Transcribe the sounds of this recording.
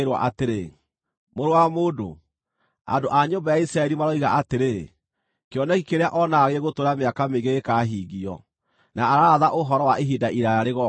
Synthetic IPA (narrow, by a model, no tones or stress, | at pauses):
ɾwa̰ʔateɾe | moɾowamoːdo̰ | a̰ndoʔaɲombajaisɾaɛɾimaɾɔiɣa̰ateɾe | keɔnɛɣikeɾeaʔɔnaːɣeɣotoɾameakameɣeːkaɦiɣiɔ̰ | naaɾaaðaʔoɦɔɾɔwaʔeɦidaʔiɾaaɾeɣɔ